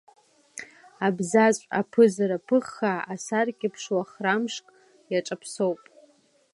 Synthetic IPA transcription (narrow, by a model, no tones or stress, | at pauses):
abzat͡ɕʷʼa̰pʰɨzaɾapʰɨχːaasarkʲʼɪpʰʂwaχramʂkʼ | jaʈ͡ʂʼapʰsowpʼ